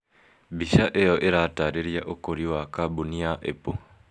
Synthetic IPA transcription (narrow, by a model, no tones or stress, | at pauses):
biʃaʔejoʔeɾataːɾeɾjaʔokoɾiwakabuniaʔḛpo